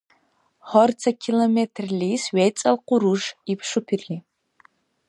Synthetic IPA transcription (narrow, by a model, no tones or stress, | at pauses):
χɔrt͡sʰɐkʰilometʰrliːsɥejt͡sʼɐlqʷʊɾuʐipʰʂʊpʰirliː